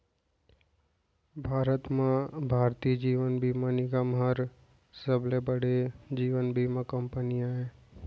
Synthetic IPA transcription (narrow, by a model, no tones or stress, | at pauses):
bʱaːɾət̪mãbʱaːɾt̪iːd͡ʒiːʋənbʱimaniɡamɦəɾ | səblebəɽed͡ʒiːʋənbʱimãkəmpənijãɦɛ̃ː